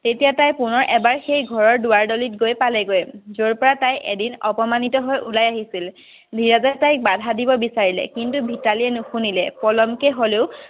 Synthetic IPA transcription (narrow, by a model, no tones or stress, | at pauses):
tetijatajpunɔɹʔɛbaɹxejɡʱɔɹɔɹduwaɹdolitɡojpalɛɡojzoɹpɔɹatajʔḛdinɔ̰pɔmanitɔɦɔjulajaɦisil | bʱiɹazɛtajk̚badʱadibɔbisaɹilɛ̰kintubʱitalijɛnuxunilɛpɔlɔmkɛɦoleʊ